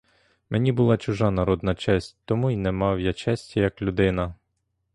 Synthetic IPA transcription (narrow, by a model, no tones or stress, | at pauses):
menʲibʊlˠɑt͡ʃʊʒɑnɐɾɔd̪nɐt͡ʃɛsʲtʲt̪ɔmuinɛmɑwjat͡ʃɛsʲtʲɐjɐklʲʊd̪ɪnɐ